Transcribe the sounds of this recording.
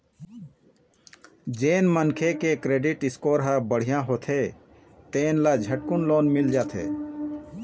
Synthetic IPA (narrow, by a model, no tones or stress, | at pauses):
d͡ʒeːnmənkʰekekɾeːɖiʈɪskoːɾɦabəɽ̤ijãɦoːt̪ʰe | t̪eːnlad͡ʒʱəʈ̚kunloːnmɪld͡ʒaːt̪ʰḛː